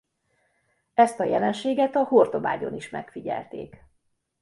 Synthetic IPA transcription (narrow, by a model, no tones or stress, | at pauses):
ɛst̪ɒjɛlɛnʃeːɡɛt̪ɒhort̪o̞ba̰ːɟo̞̰niʃmɛkfiɟɛ̰lt̪ḛːk